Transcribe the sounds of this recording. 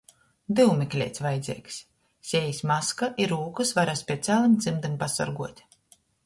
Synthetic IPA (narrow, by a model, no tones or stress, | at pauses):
d̪ɨwmʲiklʲḛːt̪sʲvajd̪zʲiɛksʲ | sʲɛjisʲmaskaʔiɾuːkɨsvaɾaspʲeɛt̪sʲaːlˠɨmd̪zimd̪ɨmpasa̰ɾɡuɔt̪ʲ